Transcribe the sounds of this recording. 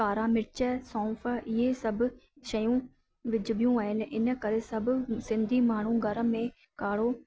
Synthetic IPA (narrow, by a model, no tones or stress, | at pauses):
aːɾaːmɪʈt͡ʃɛːsɔ̃ːfʰəɪeːsəb | ʃəjũː | ʋɪd͡ʒbjũːaːɪnʔɪnkəɾesəbsɪ̃nd̪ʱiːmaːɳ̤ũːɡəɾəmẽː | kaːɽoː